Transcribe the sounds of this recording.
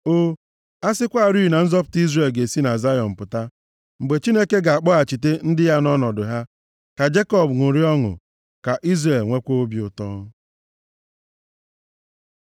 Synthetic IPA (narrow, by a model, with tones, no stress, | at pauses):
o˦ | a˦sɪ˦kʷa˦˨ɾi˦˨na˨n̩˦zɔ˦pʊ̥˨˦ti˦zɾe˨lɡe˨si˦na˨za˦jɔ˨m̩˨pʊ˨ta˦ | ŋ͡m̩˨ɡ͡be˨t͡ʃi˦ne˦ke˦ɡa˨a˨k͡pɔ˦a˨t͡ʃi˨te˦n̩˦dɪ˦ja˦nɔ˦nɔ˨dʊ˨ɦa˦ | ka˨d͡ʒe˦kɔ˦bnʊ˨ɾi˦ɔ˦ŋʊ̰˨ | ka˨ʔi˦zɾe˨lŋʷe˦kʷo˦o˦bi˨ʊ˨tɔː˦